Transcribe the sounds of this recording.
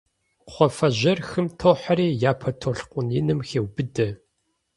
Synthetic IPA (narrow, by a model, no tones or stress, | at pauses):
χʷɔfɐʑɐrxɨmtʰoːħaɾiːjaːpʰɐtʰoɬqʷʼʊnɪnɨmxeːwbɨdɐ